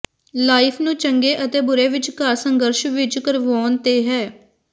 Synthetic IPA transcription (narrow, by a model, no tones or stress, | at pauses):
laːipʰnũːt͡ʃəŋɡeːʔət̪eːbʊɾeːʋɪt͡ʃkaɾsəŋɡəɾʃʋɪt͡ʃkəɾʋoːnt̪eːɦɛː